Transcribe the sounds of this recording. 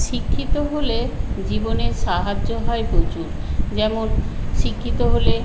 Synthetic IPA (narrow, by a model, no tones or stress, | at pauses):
ʃikʰːit̪oɦoled͡ʑiboneɾʃaɦad͡ʑːoɦɔebod͡ʑuɾ | d͡ʑɛmonʃikʰːit̪oɦole